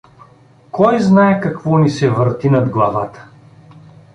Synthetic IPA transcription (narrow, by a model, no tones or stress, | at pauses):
kɔjznaɛkɐkvɔnisɛvəɾt̪inɐd̪ɡlˠavat̪ə̥